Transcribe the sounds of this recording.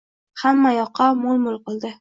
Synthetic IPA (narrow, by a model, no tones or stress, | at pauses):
hamːajɒqʰːɑmolˠmʊlˠqɨlˠd̪ɪ